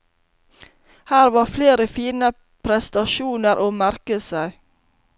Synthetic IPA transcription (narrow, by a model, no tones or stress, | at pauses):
hæːɾʋɑːfleːɾəfiːnə | pʰɾɛst̪ɑʃuːnəɾʔoːmæɾkəsæɪ